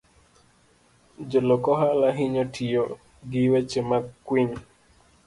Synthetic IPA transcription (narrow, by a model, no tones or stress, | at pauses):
d͡ʒolɔkɔɦalaɦiɲotʰijo | ɡɪwɛt͡ʃemakkːwiɲ